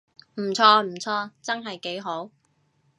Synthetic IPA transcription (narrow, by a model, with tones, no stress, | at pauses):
m̩˨˩t͡ʃʰɔː˧m̩˨˩t͡sʰɔː˧t͡sɐ˥nɦɐ˨jke˨˥jɦo˨˥w